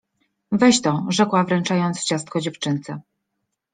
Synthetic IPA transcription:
vɛɕt̪ɔʐɛkwavɾɛnt͡ʂajɔnt̪st͡ɕast̪̚kɔd͡ʑɛft͡ʂɘnt̪sɛ

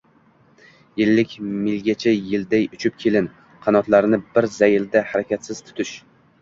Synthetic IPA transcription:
jɪlːɪkʲmɪlɡʲat͡ʃʰajɪld̪ajʊt͡ʃʰɪp̚kʲʰe̞lɪn | qʰɑnɒt̪laɾnɪbɪɾzajɪld̪ahaɾakʲat̪sɪz̥t̪ʰʊ̥t̪ʰɪʃ

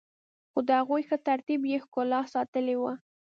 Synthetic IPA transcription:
xod̪əhaɣujxət̪aɾt̪ibjexkolɑsɑt̪əlewə

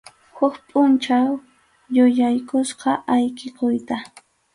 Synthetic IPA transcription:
hʊkpʼʊnt͡ʃaw | jʊjajkʊsqɑʔajkɪkʊjt̪a

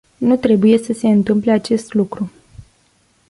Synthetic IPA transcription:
nut̪ɾe̞buje̞səse̞ɨnt̪ɨmpleat͡ʃe̞st̪lukɾu

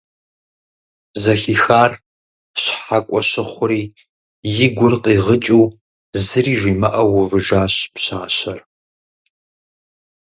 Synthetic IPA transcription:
zɐɬixaːr | ɕħakʷʼɔɕɪχʷʊɾiː | jɪɡʷʊrqʼiːʁət͡ʃʼuː | zɨriːʒiːmɐʔɐwʊvɨʒaːɕpɕaːɕɐr

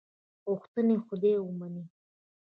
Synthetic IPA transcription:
oxt̪ənexʊd̪ewəmani

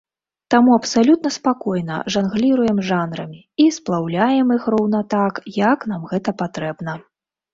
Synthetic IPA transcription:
t̪amuɐpsalʲut̪̚nɐspakɔjnɐ̰ʐanɣlʲiɾujɛmʐanɾɐmʲi | isplˠawlʲajɛmixrɔwnɐt̪akjɐkn̪amɣɛt̪ɐpat̪ɾɛbn̪ɐ

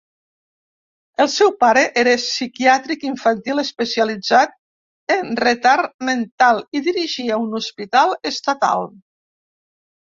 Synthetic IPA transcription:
əlˠsɛwpaɾeʔeɾesikiat̪ɾikiɱfant̪iləspəsialid͡zat̪̚ | enret̪aɾment̪alˠiðiɾiʒiaunuspit̪alˠest̪at̪a̰lˠ

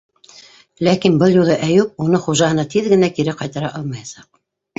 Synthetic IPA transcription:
lækinbɤlˠjulˠɤʔæjʉp̚unɤχuʒɑɦɤ̆nɑt̪iðɡɘ̆nækiɾɘqɑjt̪ɑɾɑʔɑlˠmɑjɑsɑq̚

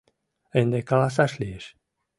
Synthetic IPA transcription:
end̪ekalas̬aʃlieʃ

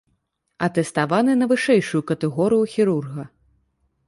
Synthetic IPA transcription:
ɐt̪ɛst̪avanɨnɐvɨʂɛjʂujukɐt̪ɛɣɔɾɨjuxʲiɾurɣɐ

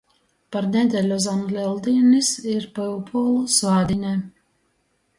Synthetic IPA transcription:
paɾnʲɛd̪ʲɛlʲɔzanlʲɛlˠd̪inisiɾpaupʰuːlˠusvaːd̪ʲinʲɛ

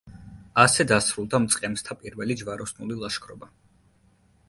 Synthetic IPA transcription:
asɛd̪asɾulˠd̪amt̪sʼqʼɛmst̪ʰapʼiɾvɛlid͡ʒvaɾɔsnulilˠaʃkʰɾɔba

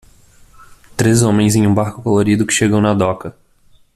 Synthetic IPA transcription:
t̪ɾezõmẽj̃zẽj̃ũbaɾkʊkoloɾid̪ʊkɪ̥ʃeɡɐ̃w̃nɐd̪ɔkɐ

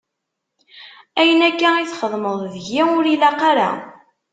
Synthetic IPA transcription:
æjənækːæiθχəðˤməðˤðʝiʊɾilæqɑɾa̰

